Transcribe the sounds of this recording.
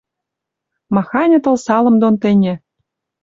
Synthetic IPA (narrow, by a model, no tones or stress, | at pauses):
mɑxɑnʲɤ̆t̪ɤ̆lˠsɑlˠɤ̆md̪ont̪ɘ̆nʲĕ